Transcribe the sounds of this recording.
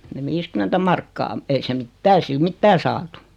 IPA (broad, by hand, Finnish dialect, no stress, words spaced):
ne ʋiːskymˑentæ mɑrkːɑː ei se mitːæː ei sil mitːæː sɑːtu